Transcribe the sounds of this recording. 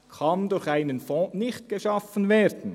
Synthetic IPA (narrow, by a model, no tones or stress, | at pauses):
kʰɑndʊɾçaɪnənfɔ̃ːnɪçtɡ̥eʃɑfənvɛːɾd̥n̩